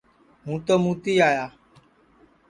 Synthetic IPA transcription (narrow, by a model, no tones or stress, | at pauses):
mũt̪omũt̪ijaja